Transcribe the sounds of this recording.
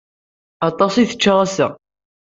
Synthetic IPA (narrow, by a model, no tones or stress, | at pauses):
ɑt̪ˤɑsˤiθə̥t͡ʃːaʁˤæsæ̰